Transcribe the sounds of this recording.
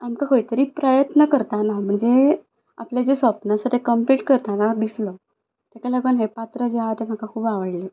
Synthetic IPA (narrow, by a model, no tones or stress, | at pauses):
amkaɦojit̪əɾiːpɾəjət̪nəkəɾt̪anam̤əɳd͡ze | a̰pljad͡ʑesʋəpnasaʈʰekəmpliʈkəɾt̪anad̪islɔ | t̪akaləɡʋənɦepat̪ɾəd͡ʑeat̪em̤akakʰuːbaʋəɽle